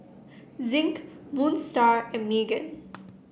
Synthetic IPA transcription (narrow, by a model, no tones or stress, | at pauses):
zɪ̃ŋkmũːnstaːɹɛ̃miːɡə̰̃n